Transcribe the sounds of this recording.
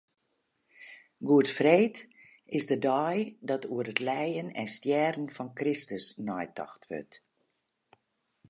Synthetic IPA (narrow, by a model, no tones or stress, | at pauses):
ɡuətfreːt | ɪsdədɔjdɔtʰuəɾətlɛjənɛ̰nstjɛːdən̩fɔnkrɪstəsnɔjtɔ̰xtʋø̰t